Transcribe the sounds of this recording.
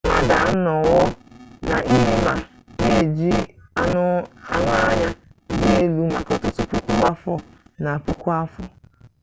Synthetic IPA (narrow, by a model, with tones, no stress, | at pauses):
ŋa̰˨da˨˦nɔ˨wɔ˦na˨ʔi˦ɦe˦ma˨ | e˦˨d͡ʒi˦a˦nʊ˦a̰˦ŋʷa˦ɲa˦de˦e˨lu˨ma˨kɔ˨tʊ˦tʊ˦pu˦kʷu˦a˦fɔ˦na˨pu˦kʷu˦a˦fɔ˦